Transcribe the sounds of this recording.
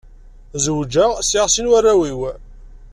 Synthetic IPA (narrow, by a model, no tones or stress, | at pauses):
zəwd͡ʒæsiʁsinwarːæwiw